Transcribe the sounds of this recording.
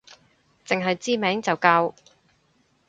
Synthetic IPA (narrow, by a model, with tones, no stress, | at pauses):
t͡sɪ˨ŋɦɐ˨jt͡siː˥mɛː˨˥ŋt͡sɐ˨wkaː˧w